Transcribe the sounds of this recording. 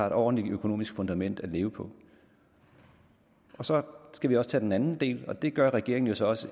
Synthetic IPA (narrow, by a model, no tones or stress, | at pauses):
ɑ̈e̝ɾ̥ɒ̰n̩liøkʰono̝ːmisɡ̥fɔ̽nd̥æmen̰d̥æle̝ːʊəpʰɒ̽ | ʔɒ̽sɒ̽sɡ̥æʋiɒ̽sə̥t͡sʰɛ̰ːd̥enænn̩d̥e̝̰ːlɒ̽d̥e̝ɡ̥ɶɐʁɛɡ̥e̝ɐeŋn̩jo̝sɒ̽ɒ̽sə